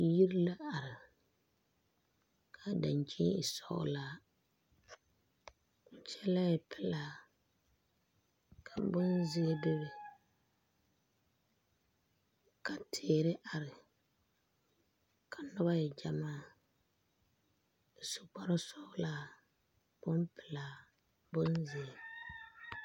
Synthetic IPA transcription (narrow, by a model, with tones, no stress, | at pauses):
ji˦ɾi˦la˦a˨ɾɪ˨ | kʰa˨da˨nt͡ʃʰi˦i˨sɔ̰˦ʔʊ̰˦la˦ | ʊ˨t͡ʃɛ˦la˦jɛ˨pʰɪ˦la˦ | kʰa˨bʊ˦nzɪ˦e˦dɪ˦bɪ˨ | ka˨tʰeː˨ɾɪ˦ʔa˨ɾɪ˨ | kʰa˨nʊ˦ba˦jɛ˨d͡ʒa˨maː˦˨ | sʊ˨k͡pa˦ɾɪ˦sɔ˦ʔʊ˦laː˦ | b̥ʊ˦mpɪ˨la˨ | bʊ˦nzɪ˨e˨